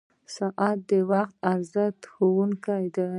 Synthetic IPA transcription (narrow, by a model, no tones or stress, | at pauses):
saʔat̪̚d̪əwaxt̪aɾzat̪xowuŋkajd̪a